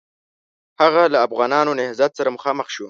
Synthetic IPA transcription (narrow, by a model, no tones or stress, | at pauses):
haɣalaːfɣɑːnɑnonɪhzat̪saɾaməxɑməxʃu